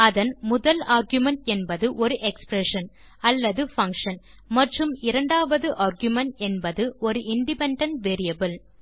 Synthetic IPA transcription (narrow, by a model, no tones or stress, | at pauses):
ɐðɐnmʊðɐlaːɾɡjʊmɐɳʈɛnbɐðɯʔɔɾɯʔɛkspɾɛʂɐn | ɐlːɐðɯfɐŋkʂɐn | mɐʈrɯmɪɾɐɳɖaːʋɐðɯʔaːɾɡjʊmɐɳʈɛnbɐðɯɔɾɯʔɪɳɖɪpɛɳɖɐɳʈʋeːɾɪjɐbɪl